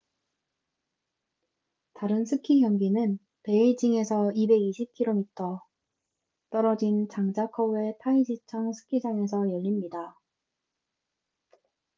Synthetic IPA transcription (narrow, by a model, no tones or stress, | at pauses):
taɾɯnsʰɯkʰiɦjʌŋɡinɯn | pe̞id͡ʑiŋe̞sʰʌibe̞ɡiɕʰip̚kʰiɾomitʰʌ | t͈ʌɾʌd͡ʑint͡ɕaŋd͡ʑakʰʌe̞tʰaid͡ʑit͡ɕʰʌŋsʰɯ̥kʰid͡ʑaŋe̞s̬ʰʌjʌʎːimɲida